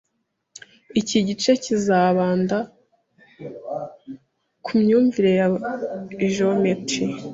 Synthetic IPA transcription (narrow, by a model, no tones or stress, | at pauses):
iciɟit͡ʃe̞cizaːβaːnda | kumɲuːɱviɾe̞ja | ʒometi